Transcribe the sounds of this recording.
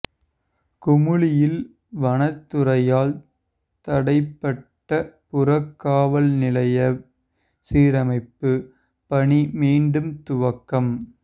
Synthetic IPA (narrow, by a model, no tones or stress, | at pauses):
kʊmɯɭɪjɪl | ʋɐnɐt̪ːɯɾɐjaːl | t̪ɐɽɐɪpːɐʈːɐpʊrɐkːaːʋɐlnɪlɐjɐ | siːɾɐmɐɪpːɯ | pɐɳimiːɳɖɯmt̪ʊʋɐkːɐm